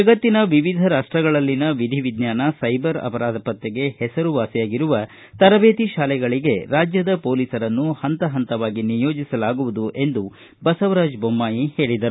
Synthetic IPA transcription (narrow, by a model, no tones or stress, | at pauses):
d͡ʒɐɡɐt̪ːinɐʋiʋid̪ʱɐɾaːʂʈɾɐɡɐɭɐlːinɐʋid̪ʱiʋid̪njaːnɐsɐjbɐɾɐ̰pɐɾaːd̪ʱɐpɐt̪ːeɡe̞hɛsɐɾuʋaːsijaːɡiɾuʋɐ | t̪ɐɾɐbe̞ːt̪iʃaːlɛɡɐɭiɡe̞ɾaːd͡ʒjɐd̪ɐpo̞ːliːsɐɾɐnːuhɐnt̪ɐɦɐnt̪ɐʋaːɡinijo̞ːd͡ʒisɐlaːɡuʋud̪uʔe̞nd̪u | bɐsɐʋɐɾaːd͡ʒbomːaːjihe̞ːɭid̪ɐɾu